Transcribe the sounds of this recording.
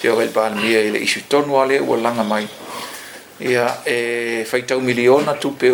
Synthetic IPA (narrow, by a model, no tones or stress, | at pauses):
peokailbaːlemiɐilḛʔisitonualeʔṵɐ̰laŋɐmɐj | iaefɐjtawmilionatupe